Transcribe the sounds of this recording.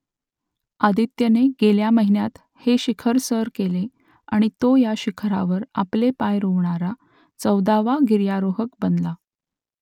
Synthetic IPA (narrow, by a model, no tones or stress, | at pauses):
ad̪it̪jəneɡeljaməɦinjat̪ | heɕikʰəɾsəɾkele | aɽ̃it̪ojaɕikʰɾaʋəɾa̰plepajɾoʋɳaɾa | t͡səwd̪aʋaɡiɾjaɾoɦək̚bənla